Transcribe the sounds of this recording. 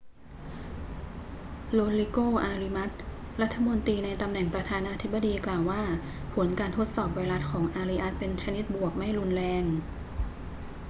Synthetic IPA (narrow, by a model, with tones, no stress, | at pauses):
loː˧li˧koː˥˩ʔaː˧ɾi˧ma˦˥t̪̚ | ɾa˦˥t̪ʰːa˧mo˧nt̪iː˧na˧jt̪a˧mnɛ˨˩ŋpɾa˧t̪ʰaː˧naː˧t̪ʰi˦˥bːa˧diː˧klaː˨˩wːaː˥˩ | pʰo˩˦nkaː˧nt̪ʰo˦˥t̪̚sɔː˨˩p̚waː˧jɾa˦˥t̪̚kʰɔː˩˦ŋʔaː˧ɾi˧ʔa˦˥t̪̚pe˧nt͡ɕʰa˧ni˦˥t̪̚bu˨˩ək̚ma˥˩jɾu˧nlɛː˧ŋ